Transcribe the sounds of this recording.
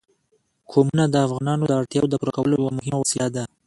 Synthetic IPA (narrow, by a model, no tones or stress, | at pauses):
kʰomunad̪əafɣɑnɑnod̪əaɽt̪jɑwod̪əpuɾakawəlojawamʊɦɪmaosjɑd̪a